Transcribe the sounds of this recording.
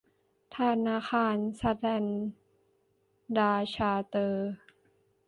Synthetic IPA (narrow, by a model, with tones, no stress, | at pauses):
t̪ʰa˧˥naː˧xʰaː˧˥nsa˧t̪lɛ˧n | daː˧t͡ɕʰaː˧t̪ɤː˧